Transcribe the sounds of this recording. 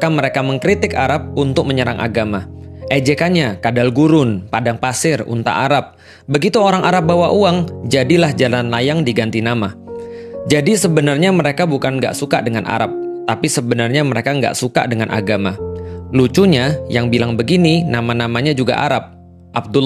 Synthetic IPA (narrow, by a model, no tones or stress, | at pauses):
kaməɾekaməŋkɾit̪ɪkaɾap̚unt̪ʊk̚məɲəɾaŋʔa̰ɡamaʔed͡ʒekanɲakadalɡuɾʊnpadaŋpasɪrṵnt̪a̰ʔaɾap̚ | bəɡit̪uoɾaŋʔaɾap̚bawaʔuaŋd͡ʒadilahd͡ʒalanlajaŋdiɡant̪inama | d͡ʒadisəbənarɲaməɾekabukanɡa̰ʔsukadəŋanʔa̰ɾap̚t̪apisəbənarɲaməɾekaŋɡa̰ʔsuka̰dəŋanʔa̰ɡamalut͡ʃuɲajaŋbilaŋbəɡininamanamaɲad͡ʒuɡa̰ʔa̰ɾap̚ | ʔab̚dul